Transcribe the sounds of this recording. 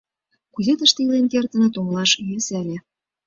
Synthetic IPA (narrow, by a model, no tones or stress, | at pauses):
kuzet̪ə̆ʃt̪ĕilenkert̪ə̆nɤ̆t̪omlɑʃjøsælʲĕ